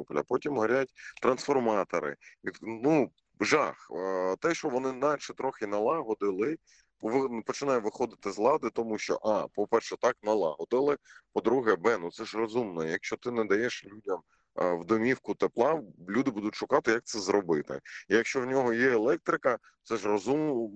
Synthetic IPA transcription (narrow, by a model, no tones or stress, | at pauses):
uplʲɐ̰pɔtʲimɦɐɾʲatʲt̪ɾɐnsfɔrmɑt̪ɔ̰ɾɪ̰id̪nu | ʒɑxt̪ɛʃt͡ʃɔʋɔnɪnɑʃɛt̪ɾɔxɪnɐlˠɑɦɔd̪ɪlˠɪ | ʋɪpɔt͡ʃɪnɑjʊʋɪxɔd̪ɪt̪ɪzlˠɑd̪ɪt̪ɔmuʃt͡ʃɔ̰ʔɑpɔpɛrʃɛt̪ɑknɐlˠɑ̰ɦɔd̪ɪlˠɪpɔd̪ɾuɦɛbɛnut̪sɛʒrɔzumnɔjɐkʃt͡ʃɔt̪ɪnɛd̪ɐjɛʃlʲudʲɐm | wd̪ɔmʲiwkʊt̪eplˠɑlʲud̪ɪbud̪ʊtʲʃʊkɑt̪ɪjɐk̚t̪sɛzɾɔbɪt̪ɪ̰ijɐkʃt͡ʃɔwnʲɔɦɔjɛelˠɛk̚t̪ɾɪkɐ | t̪sɛʒrɔzum